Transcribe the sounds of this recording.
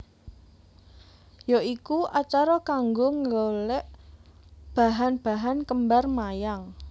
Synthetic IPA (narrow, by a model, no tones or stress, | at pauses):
joikuʔat͡ʃaɾɔkaŋɡoŋlolɛʔ | b̥a̤ɦanb̥a̤ɦankəmbarmajaŋ